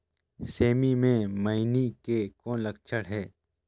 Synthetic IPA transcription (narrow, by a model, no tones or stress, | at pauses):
seːmimẽmɐɪnikekɔ̃ːnlɐk̚t͡ʃʰəɽɦɛː